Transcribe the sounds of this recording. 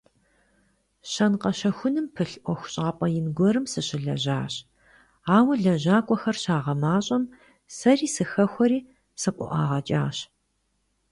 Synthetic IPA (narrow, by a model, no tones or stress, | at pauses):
ɕɐnqɐɕɐxʷʊnɨmpʰɨɬʔʷɔxʷʊ̥ɕʼaːpʼɐjɪnɡʷɔɾɨmsɨɕɪɮɐ̰ʑaːɕ | aːwɐɮɐʑaːkʷʼɔxɐrɕaːʁɐmaːɕʼɐm | sɐriːsɨxɐxʷɔɾiː | sɨqʷʼɔ̰ʔɑ̰ːʁɐt͡ʃʼaːɕ